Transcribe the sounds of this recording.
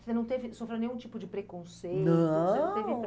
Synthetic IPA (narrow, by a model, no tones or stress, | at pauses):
senɐ̃w̃t̪evɪsofɾewnẽj̃ũt͡ʃipʊd͡ʒɪpɾekõsejnɐ̃senɐ̃t̪evɪ